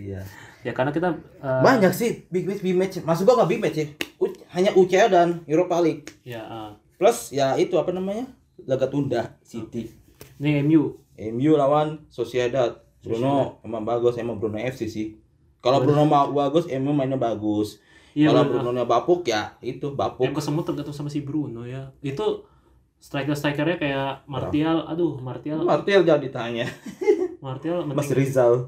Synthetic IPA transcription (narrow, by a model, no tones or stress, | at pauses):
ijajakarnakit̪a | əbaɲaksɪhbimɛt͡ʃbimɛt͡ʃmasʊkɡuaŋahbimɛt͡ʃsɪhuhaɲaʔut͡ʃaadanuɾopalɪk̚j | plasjait̪uapanamaɲa | ləɡat̪undahsit̪i | niɛmju | ʔɛmjulawansosiadat̪̚ | bəɾunoemaŋbaɡʊsemabəɾunoɛfsisɪh | kalobəɾunomabaɡʊsɛmumainɲabaɡʊs | alabəɾunonɲabapʊkjait̪ubapakəsəmut̪əɡat̪usamasibəɾunojait̪u | st̪ɾajkərs̬t̪ɾajkərɲakajaʔmart̪iala̰dumart̪ialmart̪iald͡ʒadit̪aɲa | mart̪ialməmasɾizal